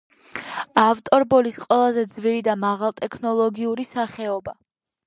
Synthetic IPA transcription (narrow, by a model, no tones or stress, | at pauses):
aft̪ʼɔɾbɔlisqʼwɛlˠazɛd̪zviɾid̪amaʁalˠt̪ʼɛkʰnɔlˠɔɡiuɾisaχɛɔba